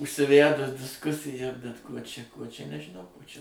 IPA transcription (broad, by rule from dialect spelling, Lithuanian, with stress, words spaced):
ʊʃʲsʲɪˈʋʲædʊs dʲɪsˈkʊsʲɪjɛ bʲɛt ˈkuɔ t͡ʃʲɛ ˈkuɔ t͡ʃʲɛ nʲɛʒʲɪˈnɐʊ ˈkuɔ t͡ʃʲɛ